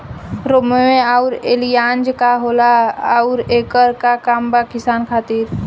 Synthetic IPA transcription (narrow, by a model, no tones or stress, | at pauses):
ɾomeẽaʊɾeːlijaːnd͡ʒkaɦoːlaʊɾeːkəɾkakaːmbakɪsaːnkʰaːt̪iːɾ